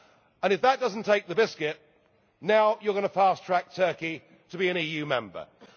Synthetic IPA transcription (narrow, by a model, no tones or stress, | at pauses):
ə̃ñɨfðət̚d̥ʌzn̩tʰeɪk̚ðəbɪskɪt̚ | naʊjə˞ɡʌnəfæˑstʰɹ̥æk̚tʰɜˑ˞ki | təbiɨ̃ñiːjʉmɛ̃mbə̰